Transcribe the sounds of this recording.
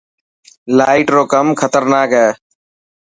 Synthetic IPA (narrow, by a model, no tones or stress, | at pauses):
laːɪʈɾoːkəmkʰət̪əɾnaːkɦɛː